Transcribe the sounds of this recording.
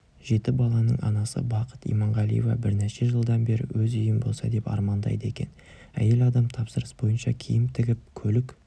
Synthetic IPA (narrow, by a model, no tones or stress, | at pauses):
ʒe̞t̪ɪbɑlˠɑnə̰ɴʔɑ̰nɑsə̰bɑqʰə̥t̪ḭjmɑɴʁɑlˠḭjevɑ̰bɪɾneʃe̞ʒəlˠd̪ɑnbe̞ɾɪ̰wɵzʏjɪmbo̞̰lˠsɑ̰d̪e̞pɑ̰ɾmɑnd̪ɑ̰jd̪əe̞kʲe̞̰n | æ̰je̞lɑd̪ɑmt̪ʰɑpsəɾəsbo̞jənʃɑ̰kʲʰijɪmt̪ʰɪɡʲɪp̚kʲʰɵlɪk